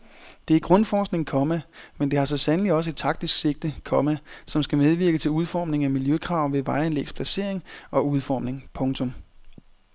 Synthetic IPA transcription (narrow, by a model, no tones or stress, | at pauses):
d̥e̝æɐɡ̥ʁɔ̽nfɒːsɡ̥̚ne̝ŋkʰɒ̽mæmend̥e̝hɑ̈sɒ̽sænəliɒ̽səe̝d̥̚t͡sʰɑ̈ɡ̥̚d̥isɡ̥se̝ɡ̥̚d̥əkʰɒ̽mæsɒ̽msɡ̥æmeð̞ˠʋiɐɡ̥ət͡sʰe̝luð̞ˠfɒ̰ːmne̝ŋæmiljøkʰʁɑ̈ʊ̰ʋe̝ʋɑ̈ɪænlḛːɡ̥spʰlæse̝ɐ̰e̝ŋɒ̽uð̞ˠfɒ̰ːmne̝ŋpʰɔ̽ŋt͡sʰɔ̽m